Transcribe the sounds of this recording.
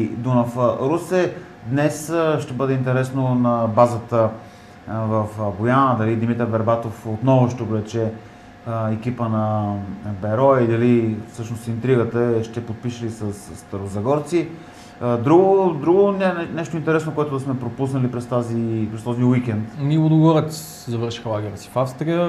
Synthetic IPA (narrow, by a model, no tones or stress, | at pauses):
id̪onɐfəɾusɛ | d̪nɛsʃt̪ɛbɤd̪ɛint̪ɛɾɛsnonɐbazət̪ə | vɐfbojanəd̪ɐlid̪imit̪əɾbɛɾbat̪ofot̪nɔvoʃt̪ɛoblɛt͡ʃɛ | ɛk̟ipənɐ | bɛɾɔɛid̪ɐlifsɤʃnost̪int̪ɾiɡət̪əɛʃt̪ɛpot̪̚piʃəlisɐsst̪ɐɾozɐɡɔɾt̪si | d̪ɾuɡod̪ɾuɡonɛnɛʃt̪oʊint̪ɛɾɛsnokoɛt̪ʊd̪ɐsmɛpɾopusnəlipɾɛst̪azipɾɛst̪ɔziwikɛnt̪miod̪ɡvɔɾət̪si̥ | zɐvɤɾʃi̥xəlˠaɡʲɛɾəsi̥fafst̪ɾijə